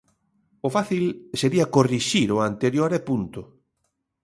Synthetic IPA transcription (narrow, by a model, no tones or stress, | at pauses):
ʊfaθilseɾiɐkoriʃiɾoant̪eɾjoɾɛpunt̪ʊ